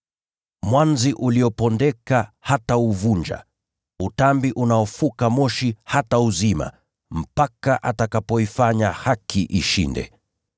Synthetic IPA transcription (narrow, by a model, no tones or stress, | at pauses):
mwanziʔuliɔpɔndɛkahatauvuɲd͡ʒa̰ | utambiʔunaɔfukamɔʃihatauzima̰ | m̩pakaʔatakapɔifaɲahakʰiʔiʃḭndɛ̰